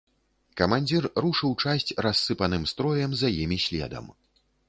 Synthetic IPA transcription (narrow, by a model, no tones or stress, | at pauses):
kɐmanʲd͡zʲirɾuʂɨwt͡ʂasʲt͡sʲrasːɨpɐnɨmst̪ɾɔjɛmzɐjimʲiɕʲlʲɛ̰d̪ɐ̰m